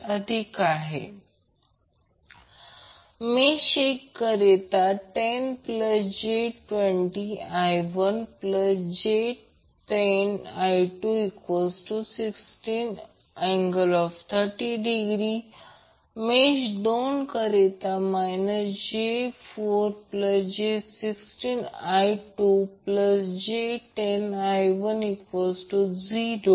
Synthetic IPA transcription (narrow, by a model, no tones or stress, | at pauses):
əd̪ʱikaɦḛ | meɕekːəɾet̪aʈenpləsd͡ʑeʈʋeɳʈiajʋənpləsd͡ʑe | ʈenajʈuikʋəsʈusiksʈin | ɛ̃ŋɡəlɔft̪ʰəɾʈiɖiɡɾi | med͡ʑdonkəɾet̪amajnəsd͡ʑefoɾpləsd͡ʑesiksʈinajʈupləsd͡ʑeʈenajʋənikʋəsʈud͡ziɾo